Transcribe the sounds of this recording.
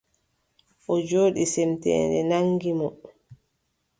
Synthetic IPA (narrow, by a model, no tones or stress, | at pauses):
ʔɔd͡ʒoːɗisɛmtɛ̰ːndɛ̰naŋɡimɔ